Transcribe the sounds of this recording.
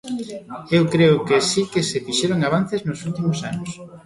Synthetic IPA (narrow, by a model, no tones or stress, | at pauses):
ewkɾeʊkesikesefiʃeɾoŋaβ̞an̟θeznʊsult̪imʊsanʊs